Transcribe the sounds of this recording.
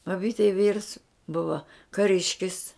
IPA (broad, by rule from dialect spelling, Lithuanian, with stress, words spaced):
bɐbʲiːtʲɛɪ ʋʲiːrs ˈbʊʋɐ kɐˈrʲɪʃʲkʲɪs